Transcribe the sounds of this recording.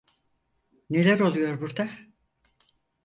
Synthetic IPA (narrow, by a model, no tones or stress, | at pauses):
ne̞lʲæɾo̞lˠujo̞ɾbuɾd̪a